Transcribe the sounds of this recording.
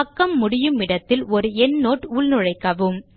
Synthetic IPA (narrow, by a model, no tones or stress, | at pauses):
ɐkːɐmːʊɽɪjɯmɪɽɐt̪ːɪlɔɾɯɛnːoːʈuːɭnɯɻɐɪkːɐʋɯm